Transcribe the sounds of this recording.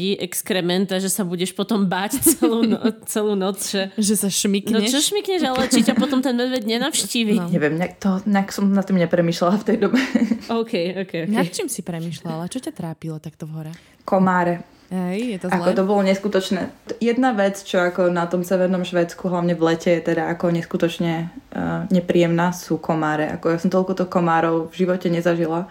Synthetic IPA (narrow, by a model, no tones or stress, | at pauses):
iʔɛkskɾɛmɛnt̪aʒɛsabuɟɛʃpɔt̪ɔmbaːct͡sɛluːnɔt͡sɛluːnɔt͡sʒɛʒɛsaʃmiknɔɲt͡ʃɔʃmikɲɛʒalɛt͡ʃicapɔt̪ɔmt̪ɛnmɛd̪ʋɛd̪ɲɛnafʃciːʋiɲɛʋɛmɲakt̪ɔɲaksɔmnat̪ːimɲɛpɾɛmiːʃlalaft̪ɛjd̪ɔbɛʔɔʊkɛjɔʊkɛjɔk̪ɛjt͡ʃimsipɾɛmiːʃlalat͡ʃɔcat̪ɾaːpilɔt̪akt̪ɔvɦɔɾa | kɔmaːɾɛ | ɛjɛakɔt̪ɔbɔlɔɲɛskut̪ɔt͡ʃnɛːjɛd̪naʋɛt͡st͡ʃɔakɔnat̪ɔmsɛʋɛɾnɔmʃʋɛːt͡skuɦlaʊɲɛʋlɛcɛjɛt̪ɛd̪aakɔɲɛskut̪ɔt͡ʃɲɛ | ɲɛpɾijɛmnasukʰɔmaːɾɛʔa̰kɔjasɔmt̪ɔlkɔt̪ɔxkɔmaːɾɔʊvʒiʋɔcɛɲɛzaʒila